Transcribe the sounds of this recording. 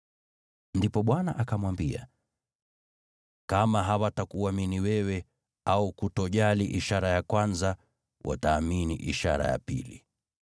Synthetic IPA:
ndipɔɓwanaʔakamwambia̰ | kamaɦawatakuaminiwɛwɛ | aukutɔʄaliʔiʃaɾajakwanza | wʔa̰taːminḭʔiʃa̰ɾa̰ja̰pḭli

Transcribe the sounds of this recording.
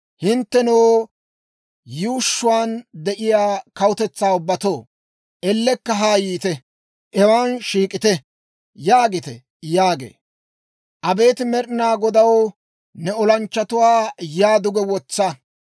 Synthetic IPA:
hɪnt̪ːɛnoː | juːʃːʊwaːnd̪ɛʔɪjaːkɐwʊt̪ɛt͡sːaːʊbːɐt̪oː | ʔɛlːɛkːɐɦaːjiːt̪ɛ | ʔɛwaːnʃiːkʼɪt̪ɛ | jaːɡɪt̪ɛ̰ | jaːɡḛː | ʔɐbe̞ːt̪ɪmɛɾnaːɡɔd̪ɐw | nɛɔlɐnt͡ʃːɐt̪ʊwaːjaːd̪ʊɡɛwɔt͡sːɐ

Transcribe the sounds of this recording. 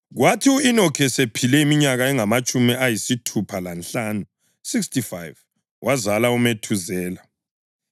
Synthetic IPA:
ɣwatʰiuinɔkʰɛsepʰilɛimiɲaɣaɛŋamat͡ʃʼumiajisitʰupʰalanɬaːnu | sikstifajv | wʔazalaumetʰuzɛːla

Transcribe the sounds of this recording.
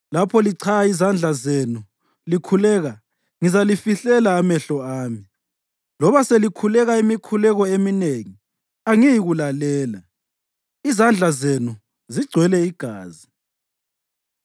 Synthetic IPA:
lapʰɔliǀʰaaizand͡ɮʱazenu | likʰulɛːɣa | ŋizalifiɬɛlaːmɛɬɔaːmi | lɔβaselikʰulɛɣaimikʰulɛɣɔemineŋi | aŋijiɣulalɛːla | izand͡ɮʱazenu | ziɡ͡ǀʱwɛlɛiɡ̥ʱaːzi

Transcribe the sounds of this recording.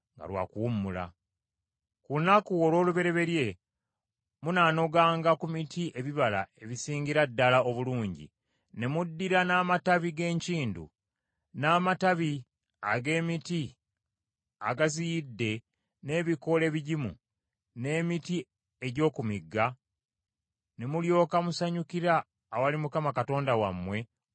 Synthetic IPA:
ŋɡa̰lwa̰ːkuwumːula̰ | kunakuo̞lwo̞ːluβe̞ɾe̞βe̞ɾje̞ | munaːno̞ɡaːŋɡakumitʰiʔe̞βiβala̰e̞βisiːɲɟiɾadːalao̞βuluːɲɟḭ | ne̞mudːiɾanaːmataβiɡe̞ːɲciːndṵ | naːmataβi | aɡe̞ːmiti | a̰ɡazijidːe̞ | ne̞ːβiko̞le̞ːβiɟimṵ | ne̞ːmiti | e̞ɟo̞ːkumiɡːa | ne̞muljo̞ːkamusaɲukiɾaː | walimukamakato̞ːndawa̰mːwe̞

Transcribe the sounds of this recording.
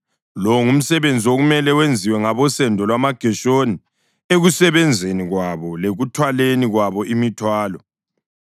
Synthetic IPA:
lɔŋum̩sɛβend͡zʱioɣumɛlɛwend͡zʱiwɛŋaβɔsɛndʱɔlwamaɡ̥ʱɛʃoni | eɣusɛβɛnd͡zʱeniɣwaβɔleɣutʰwaleniɣwaβɔʔimitʰwaːlɔ

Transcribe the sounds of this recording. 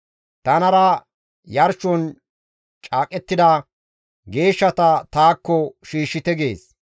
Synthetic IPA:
t̪ɐnɐɾɐ | jɐɾʃɔn | t͡ʃʼaːkʼɛt̪ːɪd̪ɐ | ɡe̞ːʃːɐt̪ɐt̪aːkːɔʃiːʃːɪt̪ɛɡe̞ːs

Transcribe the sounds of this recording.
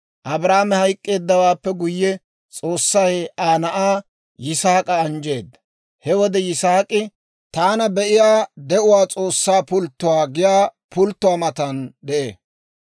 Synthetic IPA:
ʔɐbɾaːmɛhɐjkʼːe̞ːd̪ːɐwaːpːɛɡʊjːɛ | t͡sʼo̞ːsːɐjaːnɐʔaː | jɪsaːkʼɐːnd͡ʒe̞ːd̪ːɐ̥ | hɛwɔd̪ɛjɪsaːkʼɪ | t̪aːnɐbɛʔɪjaːd̪ɛʔʊwaːt͡sʼo̞ːsːaːpʊlt̪ːʊwaːɡɪjaː | pʊlt̪ːʊwaːmɐt̪ɐnd̪ɛʔeː

